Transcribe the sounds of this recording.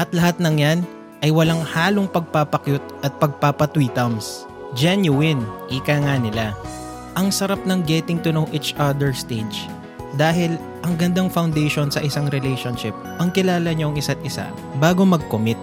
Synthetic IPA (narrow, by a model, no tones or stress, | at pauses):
ʔɐt̪lɐɦat̪̚nɐŋjan | ʔɐjwɐlaŋhaːloŋpɐɡ̚papɐkjot̪̚ʔɐt̪̚pɐɡ̚papɐt̪wiːt̪ɐms | d͡ʒɛnjʊwɪnʔiːkaŋanɪla | ʔɐŋsɐɾap̚nɐŋɡɛt̪ɪŋt̪ʊnowʔit͡ʃʔad̪ɛɹst̪ed͡ʒ | d̪aːɦɪl | ʔɐŋɡɐnd̪aŋfɐwnd̪ɛjʃonsɐʔɪsaŋɾɛlɛjʃonʃɪp̚ʔɐŋkɪlaːlɐɲoɐŋɪsat̪̚ʔɪsa̰ | baːɡomɐɡ̚komɪt̪̚